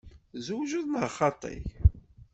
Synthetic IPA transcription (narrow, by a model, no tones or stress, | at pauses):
zuwʒuðnəʁχɑt̪ˤːḭj